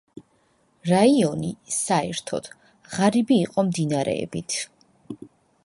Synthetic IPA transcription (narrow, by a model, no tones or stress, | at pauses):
ɾaiɔnisaɛɾt̪ʰɔ̰d̪̥ | ʁaɾibiːqʼɔmd̪inaɾɛ̰ɛ̰bit̪ʰ